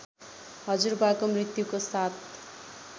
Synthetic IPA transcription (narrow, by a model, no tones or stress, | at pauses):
ɦʌd͡zurbakomrit̪jukosat̪ʰ